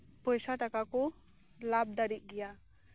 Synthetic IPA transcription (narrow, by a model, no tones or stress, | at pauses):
pɔjsaʈakako | lab̚d̪aɾit̪̚ˀɡija